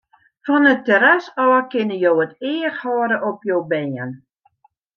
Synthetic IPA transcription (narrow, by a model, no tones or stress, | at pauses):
fɔnətəɾasɔːəkɪnəjowətɪːxhɔːɾəʔɔpjoːbɛːən